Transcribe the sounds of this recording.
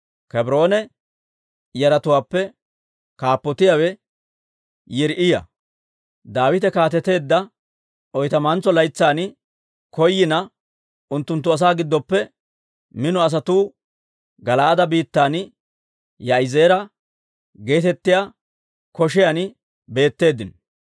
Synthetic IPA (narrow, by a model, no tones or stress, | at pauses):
kɛbɾo̞ːnɛ | jɐɾɐt̪ʊwaːpːɛ | kaːpːɔt̪ɪjawɛ | jɪɾʔɪjɐ̰ | d̪aːwɪt̪ɛkaːt̪ɛt̪e̞ːd̪ːɐ | ʔɔjt̪ɐmɐnt͡sːɔlɐjt͡sːaːnɪ | kɔjːɪnɐ | ʔʊnt̪ːʊnt̪ːʊɐs̬aːɡɪd̪ːɔpːɛ | mɪnɔɐs̬ɐt̪uː | ɡɐlaːd̪ɐbiːt̪ːaːn | jɐɪze̞ːɾɐ | ɡe̞ːt̪ɛt̪ːɪjaː | kɔʃɪjaːnɪ | be̞ːt̪ːe̞ːd̪ɪn